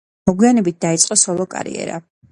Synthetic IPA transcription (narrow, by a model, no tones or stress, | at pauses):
mɔɡwianɛbit̪̚d̪ait̪sʼqʼɔsɔlˠɔkʼa̰ɾḭɛ̰ɾa̰